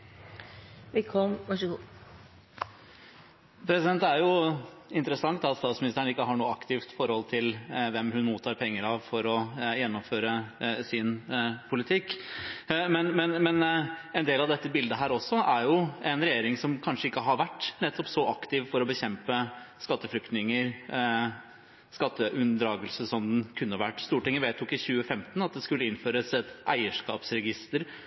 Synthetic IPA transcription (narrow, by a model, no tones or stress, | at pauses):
ʋɛlkʰɔmɑʂ | pʰɾɛsɪd̪ɛnt̪æɾjʊɪnt̪əɾəsɑŋt̪ɑt̪st̪ɑːt̪smɪnɪst̪əɳ̩ɪkːəɦɑɳuːəɑkt̪ɪft̪fɔɾhɔlt̪ʰɪlʋɛmɦʉnmuːt̪ʰːɑːɾpʰɛŋːəɾɑʋfɔɾɔjɛnːɔmføːɾəsɪnpʰʊlɪt̪ʰɪkː | mɛnmɛnmɛnɛnd̪eːlɑʋd̪ɛt̪ːəbɪld̪əɦæːɾɔsːɔʔæɾjʊɛnɾɛjeːɾɪŋsɔmkʰɑnʂəɪkːəɦɑɾʋæʈːnɛt̪ːɔpsɔʔɑkt̪ɪʋfɔɾɔbəçɛmpəskɑt̪ːəflʏkt̪nɪŋəɾ | skɑt̪ːəʔʉnd̪ɾɑːɡəlsəsɔmd̪n̩kʰʉnːəʋæʈːst̪uːʈɪŋːəʋeːt̪ʰʊkːɪçʉːəfɛmt̪n̩ɑt̪̚d̪ɛskʉlːəɪnføːɾəsɛt̪ʔæ̰ɪəʂkɑ̰ːpsɾɛɡɪst̪əɾ